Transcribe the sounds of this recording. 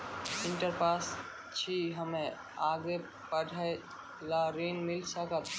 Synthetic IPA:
ɪ̃ɳʈəɾpaːs | t͡ʃʰiɦəmẽ | aːɡe | pəɖʱaj | laɾiːnmɪlsəkət̪

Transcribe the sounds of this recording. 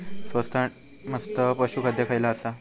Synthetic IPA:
sʋəst̪ʰaʈ | məst̪əpəɕukʰəd̪jəkʰajlaəsa

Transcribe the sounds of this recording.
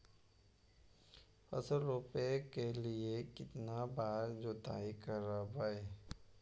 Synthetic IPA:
ɐ̰səɾɾoːpekeliekɪt̪nabaːɾd͡ʒoːt̪a̰ːikəɾabae

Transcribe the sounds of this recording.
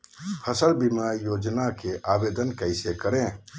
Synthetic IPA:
hʰəsəlbimaːɾijoːd͡ʒnakeʔaːbeːd̪ənkəɪsekəɾẽː

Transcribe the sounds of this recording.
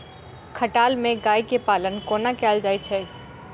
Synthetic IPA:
kʰəʈaːlmẽɡaːikepaːlənkoːnakɛːld͡ʒaːit͡ʃʰɛ

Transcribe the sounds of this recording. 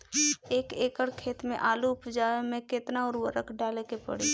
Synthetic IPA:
eːkeːkəɽkʰeːt̪mḛ̃ʔaːluʊpd͡ʒaːjomẽket̪naɔːɾwəɾəkʰɖaːlekepə̰ɽ̤i

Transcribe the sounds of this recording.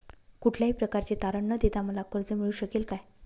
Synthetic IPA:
kuʈʰljaɦiːpɾəkaɾt͡ɕet̪aɾəɳːəd̪et̪aməlakəɾd͡zəm̤iɭuːɕəkelkaj

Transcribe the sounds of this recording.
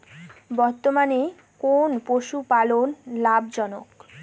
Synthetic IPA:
bɔɾt̪omane | konpoʃupalonlabd͡ʑɔnok

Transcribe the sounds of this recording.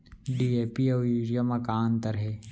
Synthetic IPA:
ɖieːpiaiɾijamɐkaːnt̪ɐɾɦeː

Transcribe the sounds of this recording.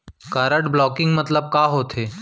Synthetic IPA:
kaɾəʈblɔːkɪ̃ŋɡmət̪ləb̚kaɦoːt̪ʰeː

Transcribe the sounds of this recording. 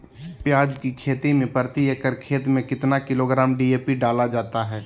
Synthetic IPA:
pjaːd͡ʒkikʰeːt̪imẽpəɾt̪iəkəɾkʰeːt̪mẽkɪt̪nakɪloɡɾaːmɖiːeːpiɖaːlad͡ʒaːt̪aɦɛː

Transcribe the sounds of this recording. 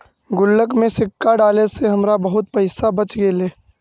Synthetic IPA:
ɡʊlːəkmẽsɪkːaɖaːleseɦɐmɾabəɦʊt̪̚pɐɪsabət͡ʃɡeːleː

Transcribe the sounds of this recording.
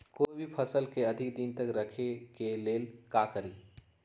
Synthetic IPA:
koːibʱipʰɐsəlkeɐd̪ʱɪkd̪int̪ɐkɾɐkʰekeleːlkaːkəɾiː

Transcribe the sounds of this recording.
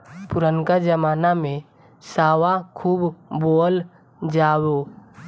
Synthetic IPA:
pʊɾənkad͡ʒəmaːnamẽ | saːwakʰuːbboːl | d͡ʒaːwo

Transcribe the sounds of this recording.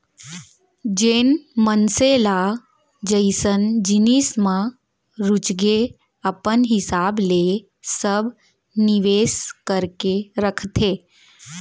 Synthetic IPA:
d͡ʒeːnmənsela | d͡ʒəɪsənd͡ʒɪnismã | ɾʊt͡ʃɡe | əpənɦɪsaːbleː | səbʱ | nɪʋeːskəɾkeɾəkʰt̪ʰeː

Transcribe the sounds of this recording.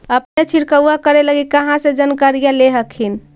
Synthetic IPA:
əpnet͡ʃʰiɾkəwːakəɾeləɡikəɦãsed͡ʒənkaɾijaleɦəkʰɦin

